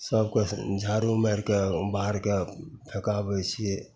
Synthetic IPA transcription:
səb̚kod͡ʒʱaːɾumeɾkebaɦɾkepʰekabət͡ʃʰie

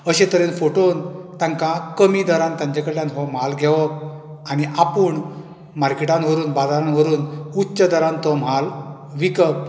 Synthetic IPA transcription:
əɕẽt̪əɾenfoʈont̪ãŋkãkəmid̪əɾãnt̪ãɲd͡ʑekəɽljãnɦɔm̤alɡʱɛʋɔk | aniʔapuːɳ | maɾkeʈãnʋəɾuːnbad̪aɾãnʋəɾuːnutːt͡ɕəd̪əɾãnt̪ɔm̤al | ʋikəp̚

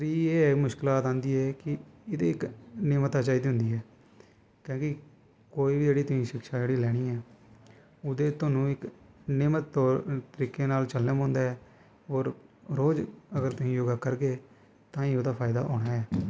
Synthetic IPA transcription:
sɾiːeːmʊʃkɪlaːt̪ãːnd̪iːɦɛːkɪɪd̪eːɪknɪːmət̪ːaːt͡ʃaːiːd̪ɦʊ̃nd̪iːɦɛː | kjõːkɪ | koːiːbid͡ʒeːɽiːt̪ʊsĩːʃɪkʃaːd͡ʒeːɽiːlɛːɽ̃iːɛː | ʊd̪eːt̪ʊnũːɪknɪːmət̪ːɔːɾt̪əɾiːkːeːnaːlt͡ʃəlːeːmõːnd̪aːɛː | ɔːɾ | ɾoːd͡ʒəɡəɾt̪ʊsĩːjoːɡaːkəɾɡeː | t̪ãːĩːʊd̪aːpʰaːɪd̪a̰ːɦo̰ːɽaːɛː

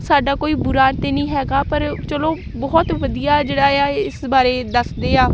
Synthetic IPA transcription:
saːɖaːkoːiːbʊɾaːnt̪eːnĩːɦɛːɡaːpəɾt͡ʃəloː | bɔːt̪ʋəd̪ijaːd͡ʒeːɽaːjaːɪsbaːɾeːd̪əsd̪eːaː

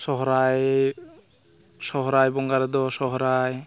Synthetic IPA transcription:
sɔɦɔɾaj | sɔɦɔɾajbɔŋɡaɾɛd̪ɔsɔɦɔɾaj

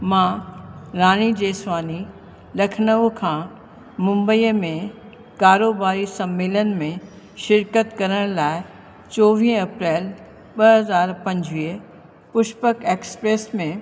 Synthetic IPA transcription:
mãːɾaːɽ̃id͡ʑeːswaːni | lɐkʰnəʋkʰãː | mʊ̃mbəiːmẽ | kaːɾoːbaːɾisɐmːɪːlənɪ̆mẽ | ʃɪɾkət̪kɐɾəɽ̃laːɪ | t͡ɕɔːʋĩːɦə̃ɐpɾeːl | ɓɐɦɐzaːɾpɐ̃ɲd͡ʑʋiːə | pʊʃpəkeːkspɾeːsmẽ

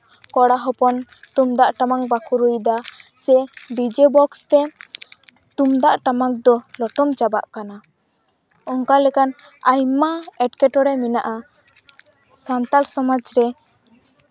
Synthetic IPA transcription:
kɔɽaɦɔpɔnt̪umd̪aʔʈamaŋbakʰuɾujd̪asɛɖid͡ʒebɔkst̪ɛ | t̪umd̪aʔʈamak̚d̪ɔlɔʈɔmt͡ʃaba̰ʔkana | ɔŋkalɛkan | ajmaɛʈkɛʈɔɾɛminaʔa | sant̪alsɔmad͡ʒɾɛ

